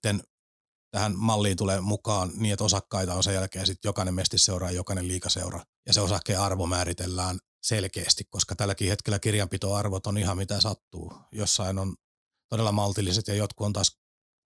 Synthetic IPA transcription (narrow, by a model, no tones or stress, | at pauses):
t̪ːen | t̪æhænmɑlːiːnt̪uleːmukɑːnniːet̪osɑkːɑit̪ɑonsejælkeːnsit̪jokɑnemmest̪isːeurɑjɑjokɑnelliːkɑsḛurɑ | jɑseosɑhkːeːɑrʋomæːɾit̪elːæːn | selkeːst̪ikkoskɑt̪ælːækiːhet̪kelːækirjɑmpit̪oɑrʋot̪onihɑmmit̪æsɑt̪ːuːjosːɑinon | t̪odelːɑmɑlt̪ilːiset̪jɑjot̪kuont̪ɑːs